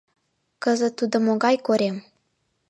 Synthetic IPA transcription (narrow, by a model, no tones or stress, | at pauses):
kəzət̪ud̪əmoɡajkoɾʲem